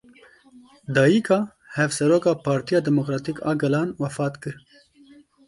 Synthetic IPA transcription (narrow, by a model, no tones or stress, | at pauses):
d̪ɑːjikʰɑː | hɛvsɛɾoːkɑːpʰɑːɾt̪ijɑːd̪ɛmokɾɑːt̪ikɑ̰ːɡɐlɑːnwɐfɑːt̪kɨɾ